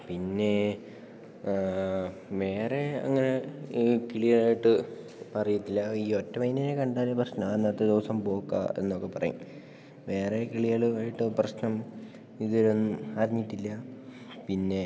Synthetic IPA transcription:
pinːe̞ | ʋe̞ːreɐ̰ŋːɐne̞kiɭiɐraːjiʈːɨ | ɐrijuʈːilːɐiːotːɐmɐjnɐnekɐɳɖaːlːɐprɐɕnɐmːnːɐt̪ːɨd̪oːsɐmpo̞ːkːa̰e̞̰nːokːe̞pɐrɐ̰jṵm | ʋe̞ːre̞kiɭijaːɭaːjiʈːɨprɐɕnɐm | iðuʋɐɾunːumɐɾɐɲːiʈːilːɐ | pinːe̞

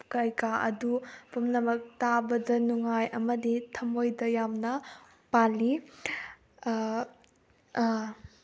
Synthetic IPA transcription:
kɐjkaʔɐ̰dupumnɐmɐk̚tabɐd͡ʒɐnuŋajɐmɐditʰɐmojdɐjamnɐ | pali

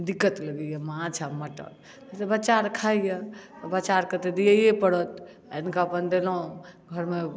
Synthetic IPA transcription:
d̪ikːət̪ləɡəjəmãt͡ʃʰaməʈə̰t̪ | t̪ebət͡ʃaɾkʰajəbət͡ʃaɾkət̪ed̪ijəjepəɽɔt̪ | enkaəpənd̪elõɡʱəɾme

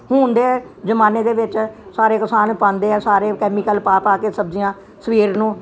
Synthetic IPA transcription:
hũːnd̪eːɛː | d͡ʒəmaːneːd̪eːʋɪt͡ʃsaːɾeːkəsaːnpãːnd̪eːɛːsaːɾeːkɛːmiːkəlpaːpaːkeːsəbd͡ʒɪjãː | səʋiːɾnũː

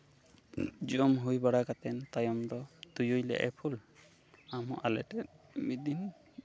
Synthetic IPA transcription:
d͡ʒɔmɦujbaɽakat̪ɛnt̪ajɔmd̪ɔt̪ujujlɛ̰ʔɛpʰul | amɔʔalɛtɛt̚ | mid̪in

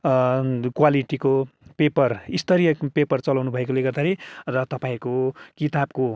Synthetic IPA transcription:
kwaliʈikopepʌrist̪ʌɾijʌpepʌrt͡sʌlawnubʱʌekoleɡʌrd̪aɾirʌt̪ʌpãĩkokit̪ab̚ko

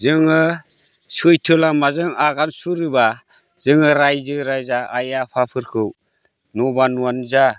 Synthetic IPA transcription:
zɯŋɯ | sɯjtʰɯlamazɯŋaɡansuɾɯba | z̥ɯŋɯɾajzɯɾajzaajapʰapʰɯɾkʰɯw | nɔbanuanza

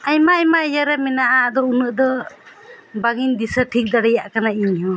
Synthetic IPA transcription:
ajmaːjmajaɾamɛnaʔad̪ɔunɯʔd̪ɔ | baɡind̪isaʈʰik̚d̪aɽajaʔkanaiɲjɔ

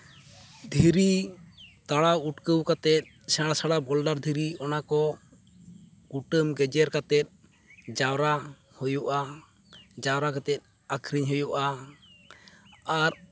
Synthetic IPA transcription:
d̪ʱiɾi | t̪aɽauʈkəwkat̪ɛt̪̚ | sɛɽasaɽabɔlɖaɾd̪ʱiɾiɔnakɔ | ɡ̥uʈəmɡɛd͡ʒɛɾkat̪ɛt̪̚ | d͡ʒawɾa | hujuʔa | d͡ʒawɾakat̪ɛt̪̚ˀ | akʰɾiɲɦujuʔa | aɾ

